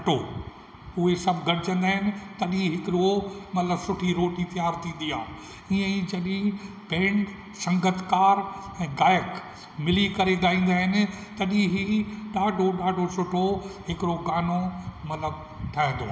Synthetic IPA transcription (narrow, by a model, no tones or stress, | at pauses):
ɐʈo | ʊɦesɐbʱɡʱɐɽɪd͡ʑə̃nd̪aːɦɪnɪ̆t̪ɐɗĩɦɪkɪɾomɐt̪ləbsʊʈʰiɾoːʈit̪ijaːɾt̪ʰĩːn̆d̪iaː | iːə̃id͡ʑɐɗĩ | pẽːɳʈ | sɐ̃ŋɡət̪kaːɾɛ̃ːɡaːjək | mɪlikɐɾeɡd̪aːĩːn̆d̪aːɦɪnɪ̆t̪ɐɗĩɦiɗaːɖʱoɗaːɖʱosʊʈʰoɦɪkɪɾoɡaːnomɐt̪ləb | ʈʰaːɦɪ̃nd̪o̰